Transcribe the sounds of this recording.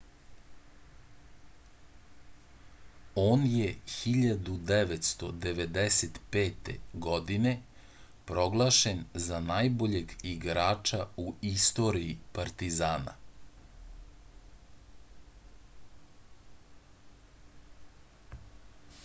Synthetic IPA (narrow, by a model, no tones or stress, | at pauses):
oːnjexiʎad̪ud̪eʋet̪st̪o̞d̪eʋed̪eset̪peːt̪ḛɡod̪ine̞ | pɾo̞ɡlˠaːʃenzanajbo̞ʎe̞ɡiɡɾaːt͡ʂauist̪o̞ɾiipaɾt̪izaːna̰